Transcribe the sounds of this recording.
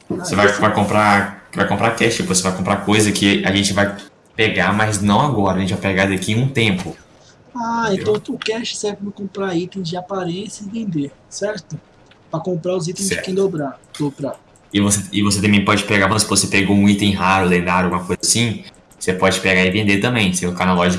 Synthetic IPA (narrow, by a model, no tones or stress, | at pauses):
sevakɪvajkõpɾakɪvajkõpɾakɛʃt͡ʃpvosevajkõpɾakojzɐkʰɪa̰ʒẽnt͡ʃɪvaj | peɡamajznɐ̃w̃aɡɔɾaʒẽt͡ʃɪvajpeɡaɾd̪akiũt̪ẽmpʊ | aẽt̪ɐ̃w̃ʊkɛʃt͡ʃɪ̥sɛɾɪpɐmɪkõpɾait̪ẽj̃zd͡ʒɪapaɾẽsjɐɪvẽnd̪eɾsɛɾt̪ʊ | pɾɐkõmpɾaʊzit̪ẽzsɛ̰kẽd̪obɾad̪opɾa | ɪvoseɪvoset̪ɐ̃mẽj̃pɔd͡ʒɪpeɡaɾvɐ̃msɪvosepeɡowmũj̃t̪ẽj̃ɦaɾʊlẽnd̪aɾawɡũmɐkojzɐasĩ | osepɔd͡ʒɪpeɡaɪvẽnd̪eɾt̪ɐ̃mbẽj̃seokanalɔʒik